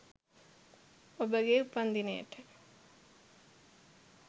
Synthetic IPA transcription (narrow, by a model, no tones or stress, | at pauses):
obəɡeupɐnd̪ineə̰ʈə̥